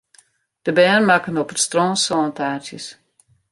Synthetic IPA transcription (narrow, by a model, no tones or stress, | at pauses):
d̥əbɛːnmakənopətstrɔːnsɔːntaːtjəs